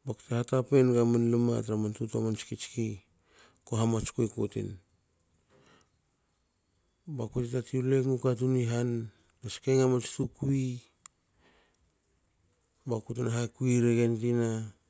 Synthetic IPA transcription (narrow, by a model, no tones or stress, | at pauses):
baktehatapenɡamanlɨma̰tɾamantutamant͡ʃi̥kit͡ʃi̥ki | koɦamat͡ʃkojkotḭn | bakotitatiuleŋukat̬uniɦan | ɡaskeŋamat͡ʃi̥tukui | bakutinaɦakuiɾeɡentina